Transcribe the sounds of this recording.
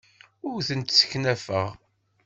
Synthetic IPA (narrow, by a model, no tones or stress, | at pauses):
ʊɾθənt̪sə̥çnæfə̰ʁ